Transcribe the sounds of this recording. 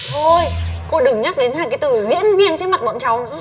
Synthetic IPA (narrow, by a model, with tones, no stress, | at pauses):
t̪ʰo˧jko˧ɗɨ˨˩ŋɲa˦˥k̚ɗe˨˦nhaː˧˩kaː˨˦jt̪ɨ˧˩zḭ˧˥ənvi˧ənt͡ɕːnma˨˩t̚ɓə̰˧˨ŋ͡mt͡ɕa˨˩wnɨ̰˧˥